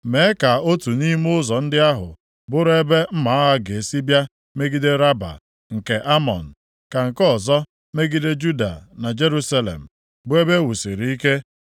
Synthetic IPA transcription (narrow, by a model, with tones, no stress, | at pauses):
me˨˦ka˨o˦tu˨ni˦m˦ʊ˦zɔ˨n̩˦dɪ˦a˦ɦʊ̰˨ | bʊ˦ɾe˦be˦m̩˦ma˨˦ɦa˦ɡe˨si˦bja˦ | me˦ɡi˦de˦ɾa˦ba̰˨ | ŋ̩˨ke˨ʔa˦mɔ̰˨n̩˨ | ka˨ŋ̩˨kɔ˦˨zɔ˦ | me˦ɡi˦de˦d͡ʒu˦da̰˨na˨d͡ʒe˦ɾu˦sa˦lḛ˨m̩˨ | bʊ˦e˦be˦wu˨si˨ɾi˨i˦ke˦